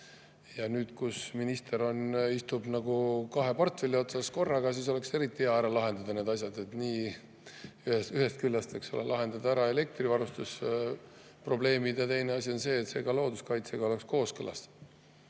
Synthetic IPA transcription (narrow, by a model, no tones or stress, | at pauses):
jɑnyːd̪̥kusminist̪e̞ɾo̞nist̪ub̥nɑɡukɑɦe̞pɑrt̪velio̞t̪sɑsko̞rːɑɡ̥ɑsiːs̬o̞le̞kse̞ɾit̪ˑːieɑæɾɑlɑɦe̞nd̪̥ɑd̪̥ɑne̞ːd̪̥ɑs̬ʲjɑd̪e̞t̪ːniː | yhesyɦe̞st̪̚kylːɑst̪e̞ksolḛlɑɦe̞nd̪̥ɑd̪ɑæɾɑe̞le̞k̚t̪rivɑɾust̪us | pro̞ble̞ːmid̪jɑt̪e̞jneɑsio̞nse̞ːt̪se̞ːɡ̥ɑlo̞ːd̪uskɑjt̪se̞ɡ̥ɑo̞le̞ksko̞ːskɤlɑ̰st̪